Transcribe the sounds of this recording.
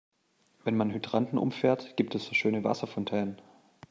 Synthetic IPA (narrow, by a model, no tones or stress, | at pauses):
vɛnmanɦydʁantn̩ʔʊ̰mfɛːɐtɡ̥iːptʰɛsz̥oːʃøːnəva̰sɐfɔntʰɛːnən